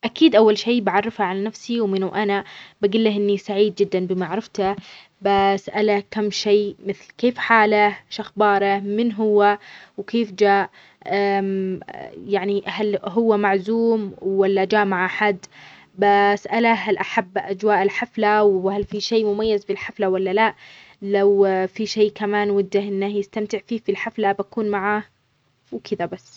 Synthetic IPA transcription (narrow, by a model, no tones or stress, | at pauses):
ʔakiːd̪ʔawːalʃeːbaʕɑrˤːɪfhaʕalanafsiwmɪnuʔanabaɡɪlːahʔɪnːisaʕiːd̪̚d͡ʒɪd̪ːanbɪmaʕɾˤɪft̪a | basʔalakamːʃeːmɪθlkeːfħaːlaʃaxbɑːɾˤamɪnɦʊwːawkeːfd͡ʒaːʔ | ʔam | jaʕnihalɦʊwːamaʕzuːmwwalːad͡ʒaːʔmaʕʔaħad̪ː | basʔalaɦalʔaħabːʔad͡ʒwaːʔɪlħaflawhalfiʃeːmʊmajːazbɪlħaflawalːalaʔ | lawfiʃeːkamaːnwʊd̪ːahʔɪnːahjɪst̪amt̪ɪʕfiːfilħaflabakuːnmaʕah | wkʰɪd̪abasː